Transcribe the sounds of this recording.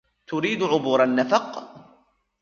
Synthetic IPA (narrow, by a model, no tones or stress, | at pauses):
t̪ʊɾiːd̪ʕʊbuːɾˤanːafɑq